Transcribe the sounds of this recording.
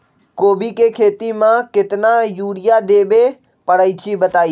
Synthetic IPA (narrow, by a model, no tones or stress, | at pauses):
koːbikekʰeːt̪imãkɪt̪najuːɽɪjad̪eːbe | pəɽəit͡ʃʰibət̪aːiː